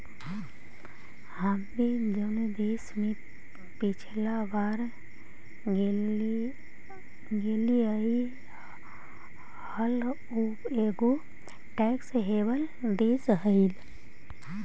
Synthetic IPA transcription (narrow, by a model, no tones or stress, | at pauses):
hamd̪ed͡ʒəned̪eːsme | pɪt͡ʃʰlabaːɾ | ɡeːliai | həl | upeɡo | ʈɛksɦeːbəl | d̪eːsɦəil